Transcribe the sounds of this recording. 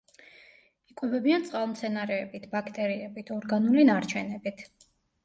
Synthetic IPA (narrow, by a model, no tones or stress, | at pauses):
ikʼwɛbɛbiant̪sʼqʼalˠmt̪sʰɛnaɾɛːbit̪ʰbakʰt̪ʼɛɾiɛbit̪ʰɔɾɡanulinaɾt͡ʃʰɛnɛbit̪ʰ